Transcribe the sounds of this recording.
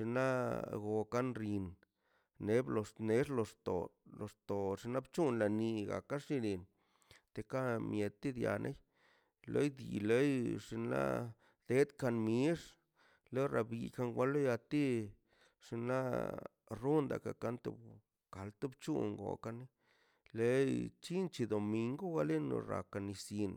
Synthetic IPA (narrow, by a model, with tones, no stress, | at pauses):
ʂi˧na˦ɡo˨ka˦nɾi˧n | ne˦blo˨sne˨˦ʐlo˧ʂt̪o̰˨lo˨ʂt̪o˨ʂi˧na˦bt͡ʃu˦nla˨ni˧ɡa̰˨ka˦ʂi˦ɾi˨n | t̪e˨ka˦mje˨d̪̚t̪i˦d̪ja̰˨nʔḛ˦j | lʔḛ˦jd̪ḭ˨le˦jʂi˧na̰˦ | d̪̥e˦d̪ka˧nmi˦ʂ | lo˦ɾa˧bi˨˧ka˧ŋɡʷwa˦lo˦ja˧t̪i˦ | ʂi˧nla˦ | ru˦nd̪a̰˨ka˨ka˦nt̪ṵ˧˨b | ka˨lt̪u˦bt͡ʃṵ˦ŋɡo̰˨ka˧ni˦ | le˦jt͡ʃi˦nt͡ʃi˧d̪o˨mi˧ŋɡo˦ɡa˧le˦no̰˧ɾa̰˨ka˧ni˧si˧n